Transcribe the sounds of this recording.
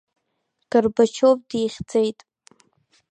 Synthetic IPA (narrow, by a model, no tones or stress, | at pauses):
ɡ̥ərbat͡ʃʰopʼdijχʲd͡zejtʼ